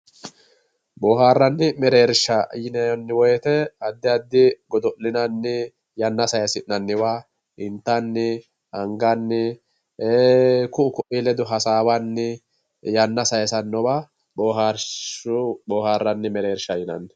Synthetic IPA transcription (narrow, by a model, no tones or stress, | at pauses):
bɔːɦaːrːɐnːɪmɛɾeːɾʃɐjɪnɐjɔnːɪwɔjɛt̪ɛɐd̪ːɪɐd̪ːɪɡɔd̪ɔʔlɪnɐnːɪ | jɐnːɐsɐjɐsɪnːɐnːɪwa | ɪnt̪ːɐnːɪ | ɐŋɡɐnːɪ | eːkʊʊkɔʔilɛd̪ʊɦɐsaːwɐnːɪ | jɐnːɐsɐjɐsɐnːɔba | boːɦaːɾʊboːhaːrːɐnːɪmɛɾe̞ːɾʃɐjɪnɐ̰nːɪ